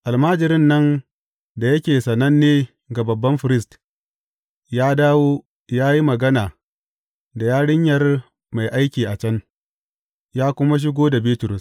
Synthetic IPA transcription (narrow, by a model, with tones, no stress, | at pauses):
ʔa˨lmaː˦d͡ʒɪ˨ɾɪ˦nːɐ˦n | da˨jɐ˦kʲeː˨sɐ˨nɐ˦nːeː˦ | ɡa˨bɐ˨bːɐ˦mɸɪ˨ɾɪ˦st | jaː˦daː˦woː˦ | jaː˦ji˦mɐ˨ɡɐ˦naː˨ | da˨jaː˦ɽɪ˦ɲjɐ˨r | ma˨jʔa˦jkʲiː˨ʔa˨t͡ʃɐ˦n | jaː˦kʷʊ˦ma˦ʃ̬ɪ˦ɡʷoː˦da˨biː˦tʊ˨ɾʊ˨s